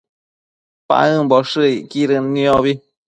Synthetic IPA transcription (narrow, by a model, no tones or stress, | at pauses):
pa̰ʔɨmboʂɨikiɾɨnĩoβi